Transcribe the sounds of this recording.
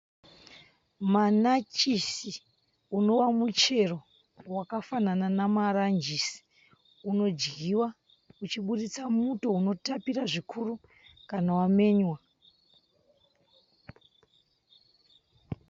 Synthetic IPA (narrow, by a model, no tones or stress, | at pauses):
manat͡ʃisi | uno̞wamut͡ʃe̞ro̞ | wakafanananamarand͡ʒisi̥ | uno̞d͡ʒɡiwa | ut͡ʃiɓuɗit͡samuto̞uno̞tapiraʐikʰuru | kanawame̞ːɲwa